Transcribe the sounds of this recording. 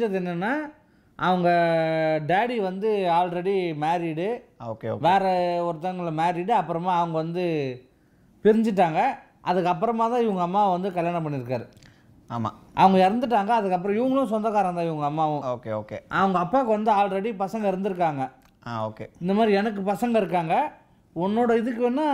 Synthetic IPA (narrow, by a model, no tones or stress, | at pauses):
d͡ʒɐðɯɛnːɐnːaː | ʔɐʋɐŋɡɐɖeːɽiʋɐnd̪ɯaːlɾɛɽimeːɾiɽɯoːkeo̰ʋeːɾɛɔɾɯt̪ːɐŋɡɐɭmeːɾiɽɯɐpːɯɾɐmaːɐʋɐŋɡɐʋɐnd̪ɯ | pɪɾɪɲd͡ʒɪʈ̬ːaːŋɡɐ | ʔɐðɯkːɐp̬ːɯɾɐmaːt̪ãːɪʋɐŋɡɐːmːaːʋɐnd̪ɯkɐljaːɳɐp̬ɐɳːɪɾɯk̬ːaːɾɯ | a̰ːma̰ːʔɐ̰ʋɐŋɡɐɪɾɯnd̪ɯʈ̬ːaːŋɡɐːðɯkːɐp̬ːɯɾɔ̃ɪʋɐŋɡɐɭʊ̃s̬ɔnd̪ɐɣaːɾɐ̃t̪ãːɪʋɐŋɡɐmːaːʋʊ̃oːkeoːkḛʔɐʋɐŋɡɐːpːaːkːɯʋɐnd̪ɯaːlɾɛɽipɐsɐŋɡɐɪɾɯnd̪ɯɾɯk̬ːaːŋɡɐ | aːoːkḛɪnd̪ɐmaːd̪ɾiɛnɐk̬ːɯpɐsɐŋɡɐɪɾɯkːaːŋɡɐ | ɔnːoːɽɐɪðɯkːɯɛnːaː